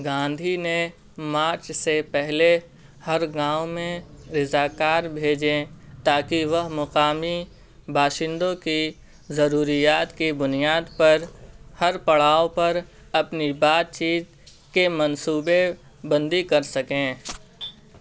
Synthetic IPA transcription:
ɡãːnd̪ʱinẽ | maːɾt͡ʃsepɛɦle | hɐɾɡãːʊmẽɾɪzaːkaːɾbʱeːd͡ʒẽt̪aːkiʋɐɦmɐqaːmi | bʱaːʃɪ̃nd̪õki | zɐɾuːɾijaːt̪kibʊnijaːd̪pɐɾhɐɾpɐɽaːõpɐɾ | ɐpnibaːt̪̚t͡ʃiːt̪̚ | kemɐnsuːbe | bɐ̃nd̪ikɐɾsɐkẽː

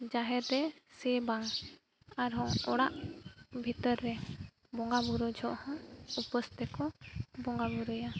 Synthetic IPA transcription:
d͡ʒaɦɛɾɾɛsɛbaŋ | aɾɦɔŋɔɽaʔbʱit̪ɔɾːɛ | bɔŋɡabuɾud͡ʒʱɔʔhɔ̃upəst̪ɛkɔbɔŋɡabuɾuja

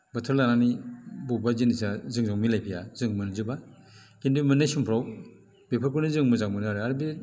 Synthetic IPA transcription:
bɐtʰɯɾlananibubazinisazɯŋzaŋmilajpʰija̰zɯŋmɯnzɯbakindumɯnajsumpʰɾaw | bepʰɯɾkunizɯŋmɯzaŋmɯnɯaɾɯaɾbi

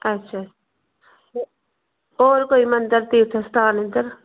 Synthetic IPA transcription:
ɐtːʃʰaː | oːɾkoːimɐ̃nd̪əɾt̪iːt̪ʰest̪aːnɪ̃nd̪əɾ

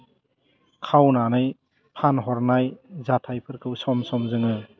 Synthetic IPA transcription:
kʰawnanɯj | pʰanɦɔɾnajzatʰajpʰɯɾkʰɯwsɔmsɔmzɯŋɯ

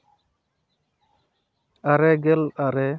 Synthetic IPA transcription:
aɾɛɡɛlaɾɛ

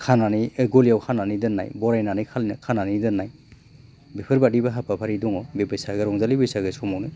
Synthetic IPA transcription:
kʰananiɡolijawkʰananidɯnːa̰jbɔɾajnanɯjkʰalinakʰananidɯnːaj | bepʰɯɾbadibaɦapʰapʰaɾidɔŋɔbebɯsaɡɯɾɔŋzalibɯsaɡɯsɔmɔwnɯ

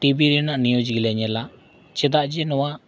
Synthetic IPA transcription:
ʈibiɾinaʔnijud͡ʒɡilɛɲɛla | t͡ʃɛd̪aʔd͡ʒɛnɔwaʔ

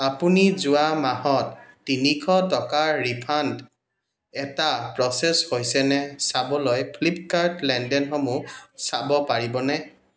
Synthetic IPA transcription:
apunizʊwamahɔtːinikʰɔtɔkaɹipʰant | ɛtapɹɔsɛshojsɛnɛsabɔlojpʰlip̚kaɹtlɛndɛnxɔmusabɔpaɹibɔnɛ

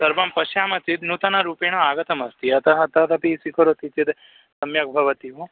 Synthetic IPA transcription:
sɐɾbɐmpɐʃjaːmɐt͡sit̪nut̪ɐnɐɾuːpeːɳɐaːɡɐt̪ɐmɐst̪iɐt̪ɐɦɐt̪ɐt̪ɐpisikɐɾot̪it͡ʃid̪ | sɐmjɐk̚bʱɐʋɐt̪iʋu

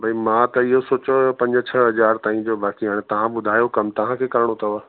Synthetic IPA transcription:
bʱaimãt̪ɐɪɦosoːt͡ɕoopɐ̃ɲd͡ʑt͡ɕʰɐɦɐzaːɾt̪aːɦĩd͡ʑoːbaːkiɦaːɽ̃et̪ɐʋ̤ãbʊd̪ʱaːjokɐmt̪ɐʋ̤ãkʰeːkɐɾɪɽ̃ot̪ʰɐoaː

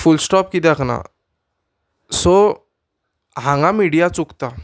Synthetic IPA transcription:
fulsʈɔp̚kit̪akʰna̰ | so | ɦãŋɡãmiɽijat͡sukt̪a

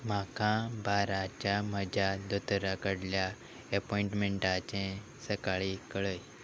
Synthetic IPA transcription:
m̤akãbaɾat͡ɕaməd͡ʑad̪ut̪ɾakəɽlja | əpɔĩɳʈmeɳʈat͡ɕẽ | səkaɭikəɭəj

